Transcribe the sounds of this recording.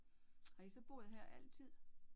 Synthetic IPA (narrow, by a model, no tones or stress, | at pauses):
hɑ̈isɒ̽b̥o̝̰ːð̞̩ˠɦeɐ̰ʔæl̰t͡sʰið̰ˠ